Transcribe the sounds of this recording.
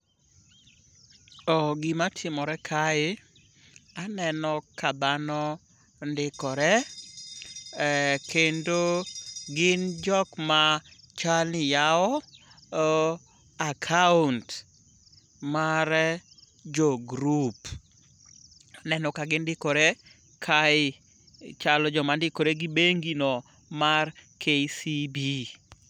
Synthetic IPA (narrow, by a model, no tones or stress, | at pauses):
ɔɡɪmatʰɪmɔɾɛkʰaɪ | anɛnɔkad̪anɔ | ndɪkɔɾɛ | kendoɡɪnd͡ʒɔkma | t͡ʃalnɪjaɔ | akʰaunt | maɾ | d͡ʒɔɡɾup | nɛnɔkaɡɪndɪkɔɾe | kʰaɪ | t͡ʃalɔd͡ʒɔmandɪkoɾeɡɪbeŋɡinɔ | markʰesibi